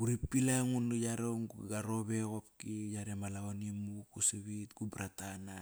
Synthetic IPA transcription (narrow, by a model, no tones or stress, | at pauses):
uɾipːilaŋunujaɾoɡaɾoβekopkijaɾemalaonimukusiβitɡubɾatana